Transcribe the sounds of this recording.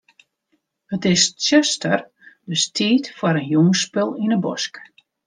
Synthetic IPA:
hətɪssøstər | dəstʰiːtfaɾənjuŋəspølˠinəbɔ̰sk

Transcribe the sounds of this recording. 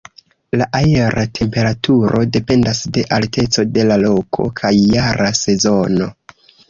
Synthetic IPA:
laʔajeɾʔatʰe̞mpe̞ɾatuɾo̞de̞pe̞ndasde̞ʔalte̞t͡so̞de̞lalo̞kʰo̞̰kʰajːaɾase̞zo̞no̞

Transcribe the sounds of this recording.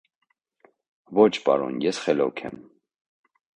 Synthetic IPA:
vɔt͡ʃʰpɑ̰ɾɔ̰njɛsχɛlɔkʰɛ̰m

